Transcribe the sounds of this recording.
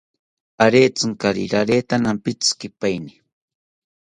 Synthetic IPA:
aɾeːt͡sɨŋkaɾḭɾaɾeːt̪anampɪt͡skɪpajni

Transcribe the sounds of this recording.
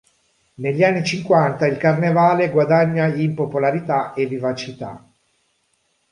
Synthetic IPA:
neʎːianːit͡ʃiŋkwant̪ailkarnevaːleɡwad̪aɲːaimpopolaɾit̪aevːivat͡ʃit̪a̰

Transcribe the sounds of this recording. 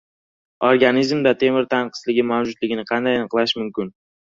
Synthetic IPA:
oɾɡanizmd̪at̪ʰe̞mɪɾt̪ʰanqʰɨ̥zlɪɡʲɪmawd͡ʒʊd̪lɪɡʲɪnɪqʰɑnd̪ajanɨqlˠaʃmʊmkʲɪn

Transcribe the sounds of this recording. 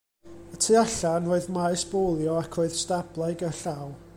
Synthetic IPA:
ətʰiaɬanroːɨðmaɨsb̥olˠjɔakʰroːɨð̥stablˠajɡəɬaw

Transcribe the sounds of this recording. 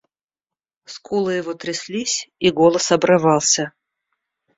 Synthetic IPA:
skulˠɨjɪvot̪ɾʲɪsʲlʲisʲiɡolˠəsɐbɾɨvɑlˠsʲə

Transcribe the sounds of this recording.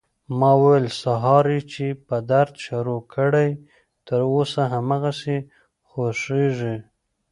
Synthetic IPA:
mɑwəwəlsaɦɑɾit͡ʃepəd̪aɾd̪ʃaɾokʰəɽaj | t̪əɾosaɦamaɣase | xoʂeʐi

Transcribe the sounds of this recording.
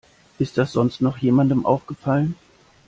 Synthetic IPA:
ʔɪst̚d̥asz̥ɔnstnɔχjeːmandəmʔa̰ʊfɡ̥əfalən

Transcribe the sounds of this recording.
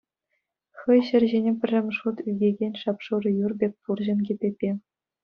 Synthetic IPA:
xɤ̆jɕɘ̆rʲʑenʲepʲɘ̆rʲːɘ̆mʲʂut̪yɡʲeɡʲenʲʂɑpʂuɾɤ̆jurbʲek̚ʲpurʑɤ̆nɡʲepʲepʲːe

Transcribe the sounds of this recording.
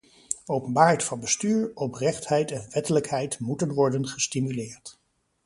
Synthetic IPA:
owpənbaːɹɛtfɑnbəstyːɹɔprɛχtɦɛjtɛnʋɛtələkɦɛjtmutənʋɔɹdənχəstimylɪːɹt

